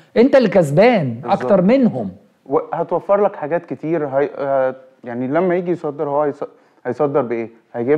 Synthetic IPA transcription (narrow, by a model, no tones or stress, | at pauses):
ʔent̪ælkæzbæːnʔʔɑkt̪ɑɾˤmenɦom | wehæt̪wæfːɑɾˤlækħaɡæːt̪ket̪iːɾɦæ | jaʕnilæmːæjiːɡijsˤɑd̪ːeɾhowæhæjs | hɑjsˤɑd̪ːeɾbeʔeː | hæjɡæː